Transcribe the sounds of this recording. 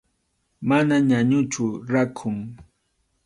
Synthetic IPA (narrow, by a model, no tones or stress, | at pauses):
manaɲaɲʊt͡ʃʊɾakʰʊŋ